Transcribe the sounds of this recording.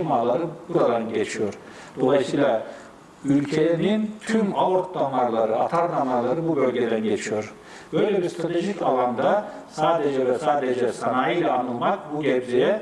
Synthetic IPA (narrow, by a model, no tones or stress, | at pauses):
maɾlˠaɾɯbuɾad̪anɟet͡ʃʰijo̞ɾ | d̪̥o̞lˠajɯsɯjlˠa | ylʲcʰenint̪ʰymaoɾt̪̚namaɾlˠaɾɯat̪ʰaɾnamaɾlˠaɾɯbubø̞lʲɟed̪ænɟet͡ʃʰijo̞ɾ | b̥øjlʲebiɾst̪ʰɾat̪ʰe̞ʒicalˠand̪a | saːd̪ed͡ʒɛvɛsaːd̪ed͡ʒɛsanajilʲɛanɯlˠmak̚buɟɛɾd͡ʒijɛ